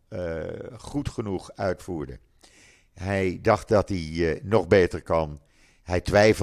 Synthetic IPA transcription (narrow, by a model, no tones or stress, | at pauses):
χutχənuχœɥtfuːɹdə̰ | ɦɛjdɑχt̚dɑtinɔχbejtəɹkɑn | ɦɛjtʋɛjf